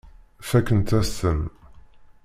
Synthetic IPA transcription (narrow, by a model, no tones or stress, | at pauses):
fækːənt̪æsəm